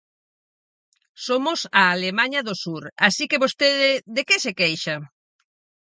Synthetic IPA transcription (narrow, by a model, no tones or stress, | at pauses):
somʊsaːlemaɲɐðʊsuɾasikeβost̪eðɪðekesekejʃɐ